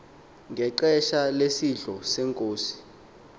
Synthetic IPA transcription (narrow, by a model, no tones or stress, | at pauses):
ŋɡʱɛǃɛʃalesiɮʱɔsɛŋkʼoːsi̥